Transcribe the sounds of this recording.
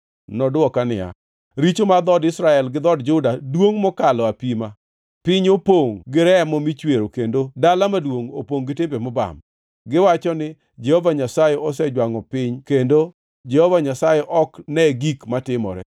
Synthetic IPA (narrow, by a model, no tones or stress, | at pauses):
nɔdɔkanɪa̰ | ɾit͡ʃomad̪ɔdɪsɾaɛlɡɪd̪ɔdd͡ʒʊdadwoŋmɔkalɔapima | pɪɲopoŋɡɪɾɛamɔmit͡ʃweɾokendodalamadwoŋo̰poŋɡɪtɪmbemɔba̰m | ɡɪwat͡ʃɔnɪ | d͡ʒehovaɲasajɛɔs̬ɛd͡ʒwaŋɔpɪɲkendo | d͡ʒɛhovaɲasajɛʔɔknɛɡikmatɪmɔ̰ɾɛ̰